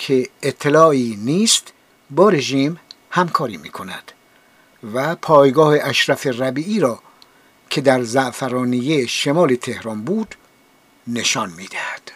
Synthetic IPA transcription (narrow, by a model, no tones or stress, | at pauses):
kʰeːt̪ʰːelɒːiːniːst̪ | bɒːɾe̞ʒiːm | hæmkʰɒːɾiːmḭːkʰo̞næ̰d̪̥ | væpʰɒːjɡɒːheʔæʃɾæferæbiːʔiːɾɒː | kʰe̞d̪æɾzæʔfæɾɒːnijeʃe̞mɒːle̞t̪ʰe̞hɾɒːnbuːd̪̥ | ne̞ʃɒnmiːd̪̥æhæd̪̥